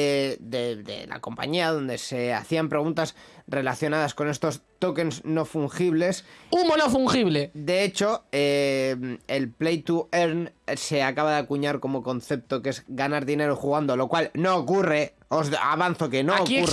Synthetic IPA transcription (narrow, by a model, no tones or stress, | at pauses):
ed̪eðe̞̰la̰ko̞mpa̰ɲiaðo̞nd̪e̞se̞a̰θiampɾe̞ɣ̞unt̪as | re̞laθjo̞naðasko̞ne̞st̪o̞st̪o̞ke̞nsno̞fuŋxiβ̞le̞sumonofuŋxiβled̪e̞et͡ʃo̞emelplejt̪ueɾnse̞akaβaðakuɲaɾko̞mo̞ko̞nθe̞p̚t̪o̞ke̞zɣanaɾðine̞ɾoxuɣ̞and̪o̞lo̞kwalno̞okure | oza̰βanθoke̞noku